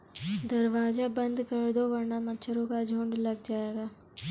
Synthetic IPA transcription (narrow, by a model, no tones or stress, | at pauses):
d̪ɐɾʋaːzabɐ̃nd̪ʱkɐɾd̪obɐɾnamɐt͡ʃʰəɾõkad͡ʒʱõːɳɖlɐɡ̚d͡ʒaːeːɡaː